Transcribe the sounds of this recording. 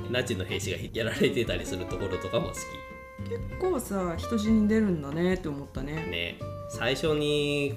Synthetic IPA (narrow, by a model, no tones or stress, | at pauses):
nat͡ɕinːo̞he̞ːɕiɡaçikʲiɾaɾe̞t̪e̞t̪aɾʲisɨɾɯ̟t̪o̞ko̞ɾo̞t̪o̞kamo̰sɨ̥kʲḭ | ke̞kːo̞ːsaːçi̥t̪o̞ʑiɲ̟id̪e̞ɾɯ̟̃nd̪ane̞t̪ːeomo̞t̪ːane̞nḛsaiɕo̞ɲ̟i